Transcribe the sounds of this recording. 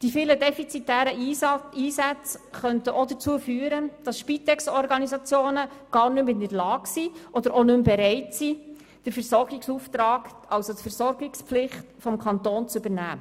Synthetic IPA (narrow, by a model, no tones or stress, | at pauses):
d̥ifiːlədɛfit͡sitæːɾəiːsæt͡sχœntəʔod̪ət͡suːəfyːəɾəd̥ɑsʃpit̪ɛksɔɾɡɑnizɑt͡sjoːnəɡ̥ɑːɾnɵmɪnəɾlɑːɡsiʔɔd̥əɾʔonʉmbɛɾɛɪtsi | d̥əɾfɛɾsɔrɡɪksuːft̪ɾɑːɡ | ʔɑwsotfɛɾsɔɾɡɪkspflɪχtfɔmkʰɑnt̪ɔːnt͡søbəɾnæ̰ː